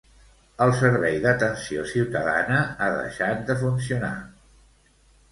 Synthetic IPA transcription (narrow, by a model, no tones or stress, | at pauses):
əlˠsəɾβɛjðət̪ənsio̰siwt̪əða̰nəaðə̰ʃat̪̚d̪əfuns̬iuna̰